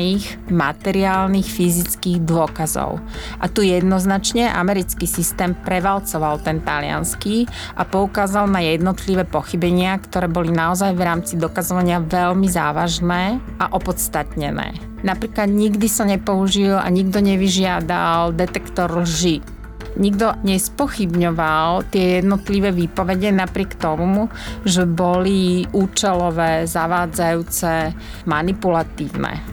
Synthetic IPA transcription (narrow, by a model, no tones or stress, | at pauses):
iːɣ | ma̰t̪ɛɾiaːlniːxfizit͡skiːɣd̪ʊɔkazɔ̰ʊʔa̰t̪ujɛd̪nɔznat͡ʃɲɛʔa̰mɛɾit͡skisist̪ɛːmpɾɛʋalt͡sɔʋalt̪ɛnt̪alɪa̰nski | ʔapɔukaːzalnajɛd̪nɔt̪liʋɛːpɔxibɛɲɪakt̪ɔɾɛːbɔlinaɔzajʋɾaːmt͡sid̪ɔkazɔʋaɲɪaʋɛlmiza̰ːʋaʒnɛːʔaʔɔpɔt̪t͡st̪at̪ɲɛnɛ̰ː | napɾiːklad̪ɲiɡd̪isaɲɛpɔuʒila̰ɲiɡd̪ɔɲɛʋiʒɪad̪ald̪ɛt̪ɛkt̪ɔɾlʒi | ɲiɡd̪ɔɲɛspɔxibɲɔʋalt̪ɪɛjɛd̪nɔt̪liʋɛːʋiːpɔʋɛɟɛnapɾɪɛkt̪ɔmumu | ʒɛbɔliʔuːt͡ʃɛlɔʋɛːzaʋaːd͡zajuːt͡sɛ | manipulat̪iːʊnɛ̰